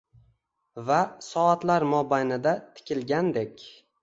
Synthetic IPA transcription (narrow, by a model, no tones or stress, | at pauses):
vasɒat̪laɾmɒbajnɪd̪at̪ʰɪ̥kʲʰɪlɡʲand̪ekʲ